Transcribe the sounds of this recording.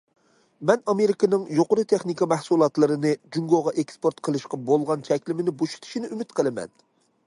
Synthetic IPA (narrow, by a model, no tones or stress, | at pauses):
mɛnɑmeɾɪkɑnɨŋjoqʊɾɨt̪ʰeχnikɑmɛhsulˠɑt̪lˠɨɾɨnɨd͡ʒuŋɡoʁɑʔekspoɾt̪qʰəlˠɨʃqɑbolˠʁɑnt͡ʃʰɛkʲlɪmɪnɪboʃu̥t̪ʰɪ̥ʃinɪʔymɪt̪qʰəlˠɨmɛ̰n